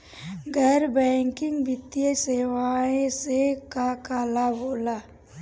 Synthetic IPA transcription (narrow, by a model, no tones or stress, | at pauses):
ɡʱəɾbɛ̃ːŋkɪ̃ŋɡbɪt̪ijəseːwaːẽsekakaːlaboːlaː